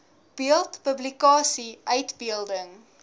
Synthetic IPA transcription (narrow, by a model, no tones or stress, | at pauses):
b̥iəlˠtpəblikɑːsiʔœɥtbiəlˠdəŋ